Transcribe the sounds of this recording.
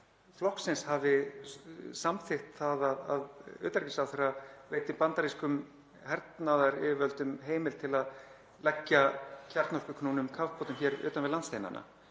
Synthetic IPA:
flɔhksɪnshavɪ | samθɪht̪θaðaða̰ðʏ̰ːt̪aɾcɪsaθeraveːjt̪ɪmpant̪aɾiskʏm | hɛɾt̪naðaɾɪvœlt̪ʏmɦeːjmɪlt̪ʰɪlað | lɛcːacʰaɾt̪nɔr̥kʏkʰnuːnʏmkʰafpʰɔːt̪ʏmçɛːɾʏ̰ːt̪anvɪðlanst̪ejna̰na̰

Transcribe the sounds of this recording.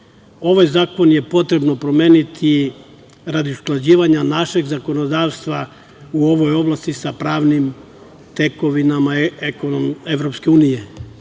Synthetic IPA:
o̞ʋajzaːko̞nje̞po̞t̪ɾe̞bno̞pɾo̞me̞ːnit̪ʰi | ɾad̪iusklˠad͡ʑiːʋaɲanaʃe̞ɡzako̞no̞d̪aːʋst̪ʋa | uo̞ʋo̞jo̞blˠast̪isapɾaːʋnim | t̪e̞ko̞ʋinamaekonomeʋɾo̞pske̞uːnije̞

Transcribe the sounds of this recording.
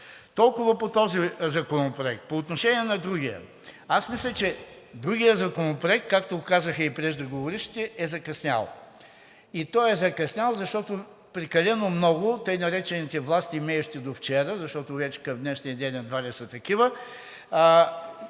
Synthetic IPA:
t̪ɔlˠkʊvɐpot̪ɔzizɐkonopɾoɛk̚t̪̚poːt̪noʃɛniɛnɐd̪ɾuɡijə̰ | asmislʲɛt͡ʃɛ | d̪ɾuɡijəzɐkonopɾoʊɛk̚t̪̚kakt̪okazəxɐipɾɛʒd̪ɐɡovoɾiʃt̪i̥t̪ɛʔɛzɐkɐsnʲa̰lˠ | it̪ɔjɛzɐkɐsnʲalˠzɐʃt̪ɔt̪o | pɾɛkɐlɛnomnɔɡʊt̪əjnɐɾɛt͡ʃɛnit̪ɛvlˠast̪imɛjʊʃt̪id̪oft͡ʃɛɾəzɐʃt̪ɔt̪ʊvɛt͡ʃɛ̥kɐmd̪nɛʃnijəd̪ɛnːɐd̪vaɾɛsət̪ɐkivə

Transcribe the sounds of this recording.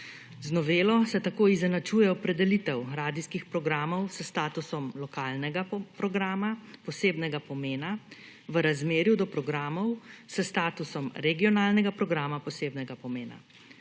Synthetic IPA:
znɔʋeːlɔsɛt̪akoːizɛnat͡ʃuːjɛɔpɾɛd̪ɛlit̪ɛwɾaːd̪iskixpɾɔɡɾaːmɔwsəst̪aːt̪usɔmlɔkaːlnɛɡapɾɔɡɾaːmapɔseːbnɛɡapɔmeːna | ʋəɾazmeːɾjud̪ɔpɾɔɡɾaːmɔwsəst̪aːt̪usɔmɾɛɡiɔnaːlnɛɡapɾɔɡɾaːmapɔseːbnɛɡapɔmeːna̰

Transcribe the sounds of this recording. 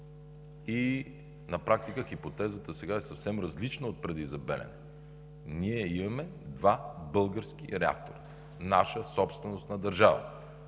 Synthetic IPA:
i | nɐpɾak̚t̪ikəxipot̪ɛzət̪əsɛɡaɛsɐfsɛmɾɐzlit͡ʃnəot̪̚pɾɛd̪izɐbɛ̰lɛ̰nɛ | niɛimɐmɛd̪vabɤlˠɡəɾsk̟iɾɛa̰k̚t̪o̰ɾə | naʃəsɔpst̪vɛnost̪nɐd̪ɐɾʒavə̰

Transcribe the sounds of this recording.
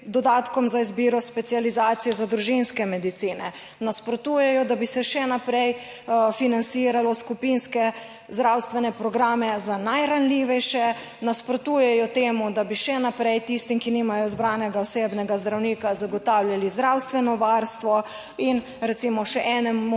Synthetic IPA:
d̪ɔd̪aːt̪kɔmzaizbiːɾɔspɛt̪sializaːt̪sijɛzad̪ɾuʒinskɛmɛd̪it̪siːnɛ | naspɾɔt̪uːjɛjɔd̪abisɛʃɛnapɾɛj | finant̪siːɾalɔskupinskɛ | zd̪ɾawst̪ʋɛnɛpɾɔɡɾaːmɛzanajɾanliːʋɛjʃɛ | naspɾɔt̪uːjɛjɔt̪eːmud̪abiʃɛnapɾejt̪ist̪imkiniːmajɔizbɾaːnɛɡaɔsebnɛɡazd̪ɾawniːkazaɡɔt̪aːwljalizd̪ɾawst̪ʋɛnɔʋaɾst̪ʋɔ | in | ɾɛt̪siːmɔʃɛʔɛnɛmu

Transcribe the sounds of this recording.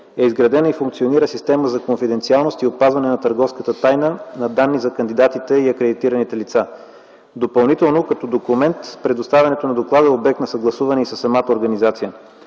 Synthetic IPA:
ɛizɡɾɐd̪ɛnəifuŋkt̪sioniɾəsist̪ɛməzɐkonfid̪ɛnt̪sialˠnost̪iotpazvɐnɛnɐt̪əɾɡɔfskət̪ət̪ajnənɐd̪anːizɐkɐnd̪id̪at̪it̪ɛiɐkɾɛd̪it̪iɾɐnit̪ɛlit̪sa | d̪opɐlˠnit̪ɛlˠnokɐt̪ɔd̪okumɛnt̪pɾɛd̪ost̪avʲɛnɛt̪onɐd̪oklˠad̪əobɛk̚t̪nɐsəɡlˠɐsuvɐnɛisəsːɐmat̪əoɾɡɐnizat̪sijə

